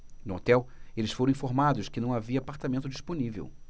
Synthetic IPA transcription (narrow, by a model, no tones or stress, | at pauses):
nʊot̪ɛwelɪsfoɾɐ̃ĩfoɾmad̪ʊskɪnɐ̃w̃aviɐːpaɾt̪amẽnt̪ʊd͡ʒisponivḛw